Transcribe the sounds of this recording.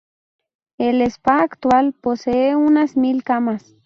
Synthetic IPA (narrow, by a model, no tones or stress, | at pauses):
elespakt̪walposeeunasmilkamas